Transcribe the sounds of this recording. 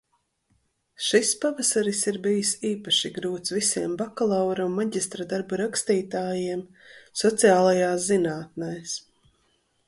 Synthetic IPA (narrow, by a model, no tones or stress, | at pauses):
ʃispavasaɾisiɾbijisiːpaʃiɡɾuːt̪svisiɛmbakalˠawɾumːaɟʲist̪ɾad̪aɾbuɾakst̪iːt̪aːjiɛm | sɔt̪siaːlˠajaːszinaːt̪̚najs